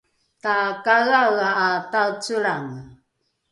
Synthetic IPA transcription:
takaɣaɣaːtawt͡suɾaŋ

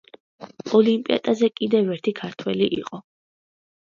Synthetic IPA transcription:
ɔlimpʼia̰d̪̥azɛkʼid̪ɛvɛɾt̪ʰikʰaɾt̪ʰwɛliʔḭqʼɔ

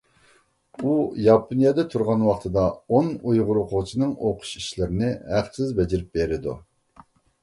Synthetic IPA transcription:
ujɑpʰonijɑd̪ɛt̪ʰuɾʁɑnwɑχt̪ʰɨd̪ɑonujʁʊɾoqʰʊʁt͡ʃʰinɨŋoqʰʊ̥ʃiʃlɪɾɪnɪhæqsəzbɛd͡ʒɪɾɪp̚beɾɪd̪ṵ

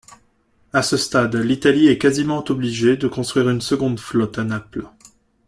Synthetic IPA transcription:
asəst̪ad̪lit̪aliɛkazimɑ̃t̪ɔbliʒed̪əkɔ̃st̪χɥiʁynsəɡɔ̃d̪flɔt̪anapl

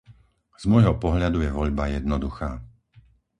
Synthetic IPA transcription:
z̥mɔjɦɔpɔɦʎad̪ujɛʋɔʎbajɛd̪nɔd̪uxaː

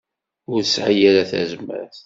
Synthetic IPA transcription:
ʊɾsʕajæɾæθæ̰zmæ̰ɾθ

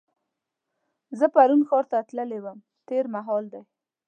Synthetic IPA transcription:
zəpaɾunxɑɾt̪at̪ləlewəm | t̪eɾmaɦɑld̪aj

